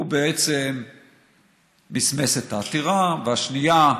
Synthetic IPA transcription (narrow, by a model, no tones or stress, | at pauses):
ubeet͡sem | isme̞set̪aːt̪iʁaveaʃnija